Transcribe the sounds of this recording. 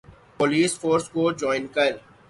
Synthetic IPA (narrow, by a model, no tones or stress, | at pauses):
poliːsfoːɾskod͡ʒɔːɪnkɐɾ